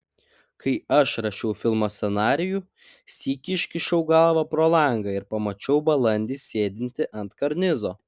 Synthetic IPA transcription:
kʰɐɪɐʃɾɐʃʲɛʊfʲɪlˠmoːsʲsʲɛnɑːɾʲɪju | sʲiːkʲɪɪʃʲkʲɪʃʲɛʊɡɐlˠʋɐpɾoːlˠɐˑŋɡɐɪɾpɐmɐt͡ʃʲɛʊbɐlˠɐnʲd̪ʲiːsʲeːd̪ʲɪnʲt̪ʲɪʔɐnt̪kɐɾʲnʲɪzoː

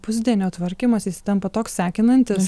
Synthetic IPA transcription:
pʊzʲd̪ʲiɛnʲoːt̪ʋɐɾʲkʲɪmɐsisʲɪ̥t̪ʲɛmpɐt̪oːksʲsʲæːkʲɪnɐnʲt̪ʲɪs

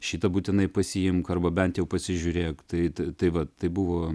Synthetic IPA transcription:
ʃʲiːt̪ɐbuːt̪ʲɪnɐɪpɐsʲɪjɪmkɐrbɐbʲɛnt̪jɛʊpɐsʲɪʒʲʊɾʲeːjkt̪ɐɪt̪ɐɪt̪ɐɪʋɐt̪ɐɪbʊʋoː

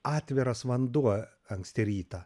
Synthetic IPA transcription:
ɑːt̪ʲʋʲɪɾɐsʋɐnd̪uɔ | ɐŋksʲt̪ʲɪɾʲiːt̪ɐː

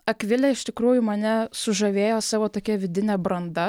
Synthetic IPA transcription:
ɐkʋʲɪlʲɛɪʃt̪ʲɪkɾuːjʊmɐnʲɛsʊʒɐʋʲeːjoːsɑːʋoːt̪oːkʲɛʋʲɪd̪ʲɪnʲɛːbɾɐnd̪ɐ

